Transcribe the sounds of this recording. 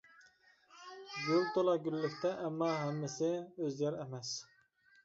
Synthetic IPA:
ɡølt̪ʰolˠɑɡʲylːɪkʲt̪ʰɛʔːmːɑɦɛmːɪsɪøzlæɾɛmɛs

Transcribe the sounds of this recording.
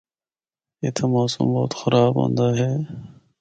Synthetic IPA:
et̪ʰɐmaːsṵːmbɔ̰ːt̪xʊɾaːbɦõ̰ːnd̪aːɦɛː

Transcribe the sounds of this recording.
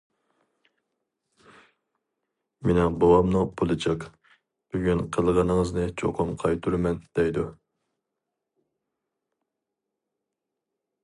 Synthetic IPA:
mɪnɪŋbowɑmnupʰulˠɨt͡ʃʰɑq | b̥yɡʲynqʰəlˠʁɑnəŋəznɨt͡ʃʰo̰qʰʊmqʰɑjt̪ʰuɾmɛnd̪̥ɛjd̪u

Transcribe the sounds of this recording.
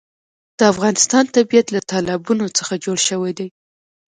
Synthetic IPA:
d̪̥əafɣɑnɪst̪ɑnt̪abijat̪lat̪ɑlɪbunot͡səxad͡ʒoɽʃəwajd̪aj

